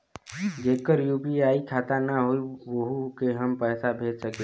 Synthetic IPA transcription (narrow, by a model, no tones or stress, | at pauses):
d͡ʒeːkəɾjuːpiaːikʰaːt̪anaɦoiʋəɦukeɦəmpɛːsabʱeːd͡ʒsəke